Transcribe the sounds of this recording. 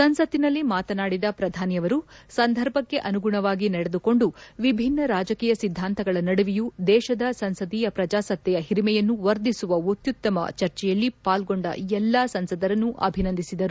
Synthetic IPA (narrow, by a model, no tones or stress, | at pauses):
sɐnsɐt̪ːinɐlːimaːt̪ɐnaːɽid̪ɐpɾɐd̪ʱaːnijɐʋɐɾusɐnd̪ʱɐɾbʱɐkːe̞ʔɐnuɡuɳɐʋaːɡinɐɽed̪uko̞ɳɖuʋibʱinːɐɾaːd͡ʒɐkiːjɐsid̪ʱːaːnt̪ɐɡɐɭɐnɐɽuʋijud̪ɛːʃɐd̪ɐsɐnsɐd̪iːjɐpɾɐd͡ʒaːsɐt̪jɛjɐɦiɾimɛjɐnːuʋɐɾd̪isuʋɐut̪jut̪ːɐmɐ̰t͡ʃɐɾt͡ʃɛjɐlːipaːlɡo̞ɳɖɐ̰ɛlːaːsɐnsɐd̪ɐɾɐnːuʔɐ̰bʱinɐnd̪ʱisid̪ɐɾu